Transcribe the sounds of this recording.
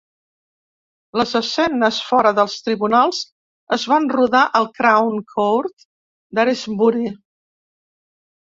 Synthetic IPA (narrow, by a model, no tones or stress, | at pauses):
ləzəsɛnəsfɔɾəðəlˠst̪ɾiβunalˠz | əzβanruðaʔəlˠkɾawŋkʰoɾt̪ | d̪aɾezbuɾi